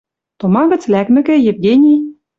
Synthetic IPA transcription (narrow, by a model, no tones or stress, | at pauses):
t̪omɑɣɤ̆t͡slækmɘ̆kɘ̆jĕvɡʲenʲi